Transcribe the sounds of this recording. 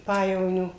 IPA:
ˈpɑːjɛʋoːnʲoː

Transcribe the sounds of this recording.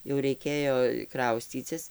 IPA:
jɛʊ rɐɪˈkʲeːjoː ˈkrɐʊsʲt͡sʲiːt͡sʲɪs

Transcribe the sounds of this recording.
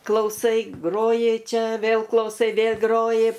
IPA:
klˠɐʊˈsɐɪ ˈɡroːjɪ ˈt͡ʃʲɛ ˈʋʲeːlˠ klˠɐʊˈsɐɪ ˈʋʲeːlʲ ˈɡroːjɪ

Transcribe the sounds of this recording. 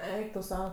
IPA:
ˈɛɪk tʊ ˈsɐʊ

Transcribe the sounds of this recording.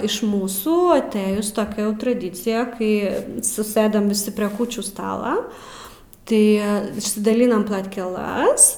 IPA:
ɪʃ ˈmuːsuː ɐˈtɘjʊs toːˈkʲɛ jɛʊ trɐˈdʲiːt͡sʲɪjɛ ˈkɐɪ sʊˈsɘdɐm ʋʲɪˈsʲɪ pʲrʲiɛ ˈkuːt͡ʃʲuː ˈstɑːlˠɐ ˈtɐɪ ɪʃʲsʲɪdɐˈlʲɪnɐm plˠɐtʲkʲɛˈlˠɐs

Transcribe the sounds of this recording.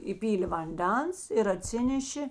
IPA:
iːˈpʲiːlʲeː ʋɐnʲˈdʲɛns ɪr ɐˈtʲsʲɪnʲɛʃʲeː

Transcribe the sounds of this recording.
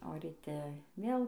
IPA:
oː rʲiːˈtʲɛ ˈʋʲeːlˠ

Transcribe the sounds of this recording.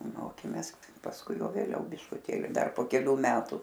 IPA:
ˈmoːkʲeːmʲeːs pɐsˈkʊɪ ˈjɛʊ ʋʲeːˈlʲɛʊ bʲɪʃkʊˈtʲeːlʲɪ ˈdɐr poː kʲɛˈlʲuː ˈmʲæːtʊ

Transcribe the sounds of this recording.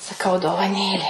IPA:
sɐˈkɐʊ doːʋɐˈnʲeːlʲeː

